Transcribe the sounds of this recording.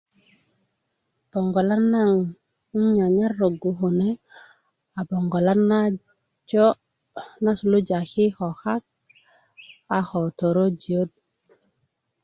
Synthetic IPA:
b̥o˨ŋɡo˨la˦nːa˦ŋ̩˦ | ɲa˨ɲa˦ɾːo˨ɡu˨xu˨ne˦ | a˨bo˨ŋɡo˨la˦na˦ | d͡ʒo˦ | na˦su˨lu˦d͡ʒa˨ki˦xo˨xa˦k̚ | a˨xo˨t̪o˨ɾo˦d͡ʒi˨o˦d̚

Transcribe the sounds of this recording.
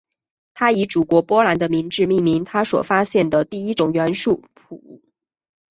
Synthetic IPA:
t̪ʰa˥i˧˥ʈ͡ʂu˨˩kwɔ˧˥pwɔ˥la˧˥nd̪ə˧mi˧˥ŋʈ͡ʂɻ̩˥˧mi˥˩ŋmi˧˥ŋt̪ʰa˥swɔ̰˨˩fa˥ɕjɛ˥˩nd̪ə˩t̪i˥˩i˥ʈ͡ʂʊ˨˩ŋɥɛ˧˥nʂu˥˩pʰṵ˨˩ṵ˥˩

